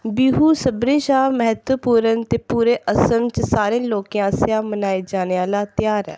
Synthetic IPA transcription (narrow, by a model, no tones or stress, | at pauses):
biːɦuːsəbɾẽːʃaːməɦət̪wəpuːɾənt̪eːpuːɾeːʔəsənt͡ʃsaːɾẽːloːkijãːsãːmənaːeːd͡ʒaːneːaːlaːt̪ɪjaːɾɛ̰ː